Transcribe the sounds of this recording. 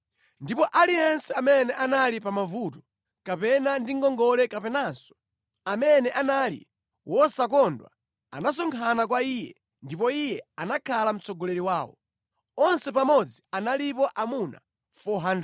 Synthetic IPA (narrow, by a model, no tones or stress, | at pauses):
ndipɔʔaliɛnsɛamɛnɛʔanalipamavutɔ̥ | kapɛnandiŋɡɔŋɡɔlɛkapɛnasɔ̥ | amɛnɛʔanalḭ | wɔsak̬ɔndwa̰ | a̰nas̬ɔŋkʰanak̬waiːjɛ̰ | ndipɔijɛanakʰalam̩t͡sɔɡɔlɛɾiwaːwɔ̰ | ɔnsɛpamɔd͡zianalipɔʔamuna̰ | fɔɦand